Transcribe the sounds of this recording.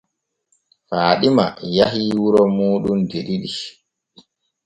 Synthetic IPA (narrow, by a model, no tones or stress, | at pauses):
faːɗima̰jaɦiwuɾɔmuːɗundeɗiɗi